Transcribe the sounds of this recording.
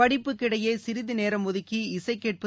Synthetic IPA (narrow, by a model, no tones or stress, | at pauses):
ɐɽɪpːɯkːɪɽɐjɐɪsɪɾɪðineːɾɐmːʊðɪkːiɪsɐɪkːeːʈ̚pɯ